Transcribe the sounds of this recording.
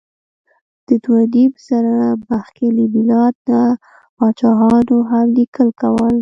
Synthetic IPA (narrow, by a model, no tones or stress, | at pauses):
d̪̥ət̪wad̪ipsaɾabaxkelibilɑd̪̚na | pɑt͡ʃɑɦɑnoɦamlikəlkawəl